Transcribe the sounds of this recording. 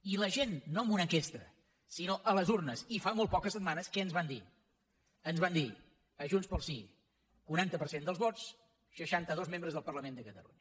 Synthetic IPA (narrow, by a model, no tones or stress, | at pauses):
iləʒenːoəmbunəŋkest̪ə̰ | sinoʔələzurnəsifamolˠt̪pɔkəsət̪manəskɛənzβand̪ḭ | ənzβand̪i | əʒunspəlˠsi | kuɾant̪əpəɾsend̪əlˠzβɔt͡s | səʃant̪əðozmembɾəzðəlˠpərləmend̪əkət̪ə̰lṵɲə